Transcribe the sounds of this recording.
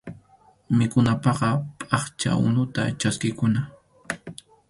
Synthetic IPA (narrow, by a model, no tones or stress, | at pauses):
mɪkʊnapɑqɑpʼɑχt͡ʃa̰ʊ̰nʊt̪a̰t͡ʃaskɪkʊna